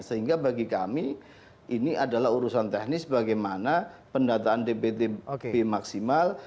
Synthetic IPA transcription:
səɦiŋɡabaɡika̰mi | ʔiniʔadalaɦuɾusant̪ɛhnɪsbaɡajmanapəndat̪aːndepet̪ebemaksimal

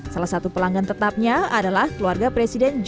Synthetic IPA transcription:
salahsat̪upəlaŋɡant̪ət̪ap̚ɲaadalahkəluarɡapɾesidɛnd͡ʒ

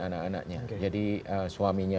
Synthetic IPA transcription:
anakana̰k̚ɲad͡ʒadiəsuamiɲa

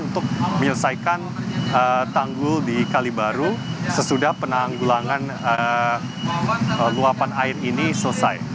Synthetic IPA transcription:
unt̪ʊk̚məɲələsajkanət̪aŋɡʊldikalibaɾusəsudahpənaŋɡulaŋan | ə | əluapanaɪrinisələsa̰j

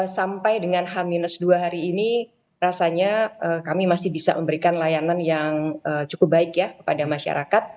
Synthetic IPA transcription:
sampajdəŋanɦaminəsduaɦaɾiːni | rasaɲaəkamimasɪhbisa̰məmbəɾikanlajananjaŋəːt͡ʃukʊp̚baɪkjakə̥padamaʃa̰ɾakat̪̚

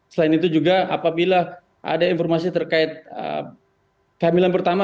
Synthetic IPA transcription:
səlaɪnit̪ud͡ʒuɡaapabila | ʔa̰dainfɔrmasit̪ərkaɪt̪̚ə̰ | kəamilanpərt̪ama

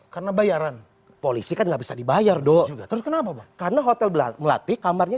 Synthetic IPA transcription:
kaɾnabajaɾan | polisikanɡaʔbisadibajardɔd͡ʒuɡat̪əɾʊskənapabakarənaɦot̪ɛllaməla̰t̪ikamarɲa

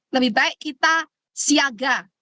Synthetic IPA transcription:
nəbibaɛʔkit̪a | siaɡa

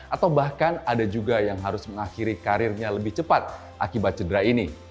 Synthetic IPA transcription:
ʔat̪awbahkanadad͡ʒuɡajaŋɦaɾʊsməŋaxiɾikaɾɪrɲaləbɪht͡ʃəpat̪̚ | ʔa̰kibat̪̚t͡ʃədəɾaini

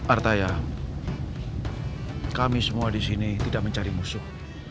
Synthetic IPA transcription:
ʔart̪aja | kamisəmuadisinit̪idaʔ̚məɲt͡ʃaɾimusʊh̚

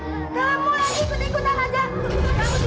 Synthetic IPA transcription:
kamulaɡikut̪ikut̪anad͡ʒa

